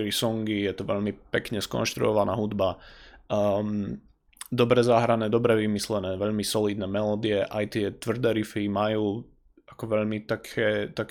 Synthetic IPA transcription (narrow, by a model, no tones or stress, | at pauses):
lisɔŋɡijɛt̪ɔʋɛ̰ʎmipɛkɲɛskɔ̰nʃt̪ɾṵɔʋana̰ːɦud̪ba | m | d̪ɔbɾɛzaɦɾanɛːd̪ɔbɾɛʋimislɛnɛːʋɛʎmisɔliːd̪nɛːmɛlɔːd̪iɛʔajt̪ɪɛt̪ʋr̩d̪ɛːɾifimajuː | ʔakɔʋɛʎmit̪akʰɛt̪ak